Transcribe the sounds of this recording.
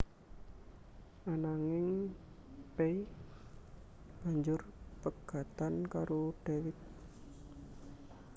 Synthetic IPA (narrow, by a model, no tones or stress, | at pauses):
ʔanaŋɪŋ | pei | b̥a̤ɲd͡ʒʊrpəɡ̥a̤t̪ankaɾoɖ̥ewɪt̪̚